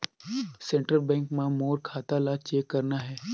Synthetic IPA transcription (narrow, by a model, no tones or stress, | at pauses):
sẽɳʈɾəlbɛ̃ːŋkmãmoːɾkʰaːt̪alat͡ʃeːkːɐɾnaɦɛː